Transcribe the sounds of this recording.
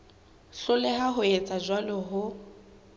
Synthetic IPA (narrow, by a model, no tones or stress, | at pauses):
ɬʊlɛɦaɦʊet͡sʼad͡ʒwalɔɦʊ